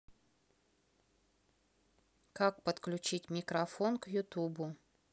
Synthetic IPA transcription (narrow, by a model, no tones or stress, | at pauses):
kak̚pət̪klʲʉt͡ɕitʲmʲɪkɾɐfonkjʊt̪ubʊ